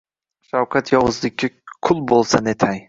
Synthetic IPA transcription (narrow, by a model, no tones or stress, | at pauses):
ʃawqʰat̪ʰjɒwɨzlɪkʲːakʰʊlˠbolˠsanet̪ʰaj